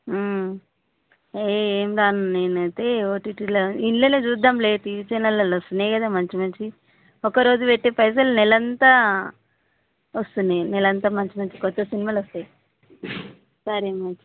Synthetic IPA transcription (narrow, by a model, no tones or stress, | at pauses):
eeːmd̪aːnuneːnɐjt̪eoːʈiʈilɐinlened͡ʒuːd̪amleːt̪iʋit͡ʃɐjnɐlɐlɐst̪unekɐd̪aːmɐɲt͡ʃimɐɲt͡ʃi | ɔkɐɾo̞ːd͡ʒuʋeʈːeːpɐjs̬ɐlnɛlɐnt̪a | ɐst̪und̪inɛlɐnt̪aːmɐɲt͡ʃimɐɲt͡ʃi̥kɔt̪ːɐsinimaːlost̪ɐj | sɐɾemɐnt͡ʃi̥